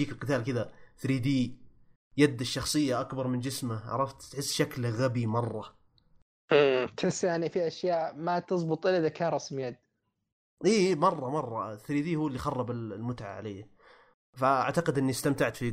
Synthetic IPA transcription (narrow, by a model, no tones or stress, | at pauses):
iːkɪlqɨt̪aːlkɪd̪aθɾiːd̪iː | jad̪ːɪʃːɑxsˤɨjːaʔakbɑɾˤmɪnd͡ʒɪsmaʕɑ̰ɾˤɑft̪t̪ħɪsːʃaklɣabimɑrˤːɑ | kɪsjaʕnifiʔaʃjaːʔmat̪ɨsˤbʊt̪ˤʔɪlaðakʰaːnɾˤɑsmjad̪ | ʔiːmɑrˤːɑmɑrˤːɑθɾiːd̪iːhuːɪlːixɑrˤːɑbɪllmʊt̪ʕa̰ʕa̰leː | faa̰ʕt̪aqɪd̪ʔɪnːist̪amt̪aʕt̪fi